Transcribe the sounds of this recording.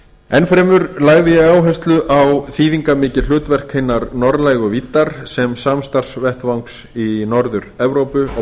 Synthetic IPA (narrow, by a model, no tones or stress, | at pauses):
ɛnfɾɛːmʏɾlaːɣðɪjɛɣaːwɦœst̪lʏʔawθiːðiŋkamɪːcɪl̥ʏːt̪vɛr̥khejnːaɾnɔɾlajɣʏvit̪ːaɾ̥sɛmsamst̪ar̥svɛht̪vawŋksinɔɾðʏɾɛvɾoːwpʏɔ